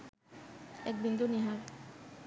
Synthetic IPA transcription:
ɛk̚bind̪ʱuniɦaɾ

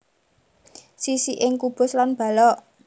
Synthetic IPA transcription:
sisiʔɪŋkub̥ʊ̤slanb̥ä̤lɔʔ

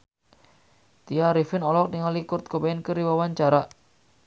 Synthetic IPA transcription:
t̪iaɾifɪnɔlɔk̚niŋalikʊrt̪̚kəbaɛnkəɾiwawaɲt͡ʃaɾaʔ

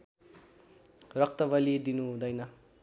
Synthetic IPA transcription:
rʌk̚t̪ʌbʌlid̪inuɦũd̪ʌjnʌ

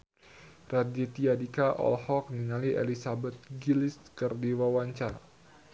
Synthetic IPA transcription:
radit̪iadikaʔɔ̰lhɔk̚niŋaliʔḛlisabɛt̪̚ɡiliskərdiwawaɲt͡ʃa

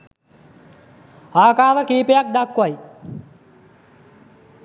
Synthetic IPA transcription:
aːkaːɾəkiːpejak̚d̪akːwaj

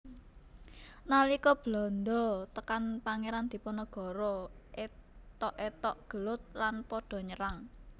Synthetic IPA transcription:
nalikɔb̥lɔ̤nd̪ɔt̪əkanpaŋeɾand̪̥i̤pɔnɔɡ̥ɔ̤ɾɔʔet̪ɔʔet̪ɔʔɡ̥ə̤lʊt̪̚lanpɔɖ̥ɔ̤ɲəɾaŋ

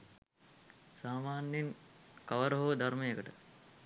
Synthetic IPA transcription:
saːmaːnjinkɐʋɐɾɦoʋd̪ʱɐɾmejekəʈə

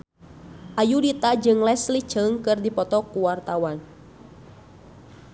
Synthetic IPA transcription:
ʔajudit̪ad͡ʒɨŋlɛslit͡ʃəŋkɨrdipɔt̪ɔkuwart̪awan

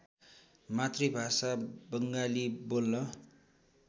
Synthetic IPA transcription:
mat̪ribʱasabʌŋɡalibolnʌ

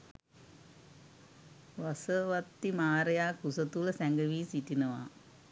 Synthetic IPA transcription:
ʋasəʋat̪ːimaːɾɐjaːkusət̪uləsæŋɡəʋiːsiʈinəʋa̰

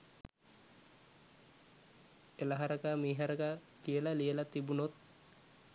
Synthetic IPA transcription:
elaɦaɾəkamiːɦaɾəkakijəlaliəlat̪ibunot̪̚

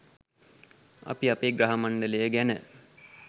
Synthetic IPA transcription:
a̰piapeːɡɾaɦamaɳɖələjəɡænə

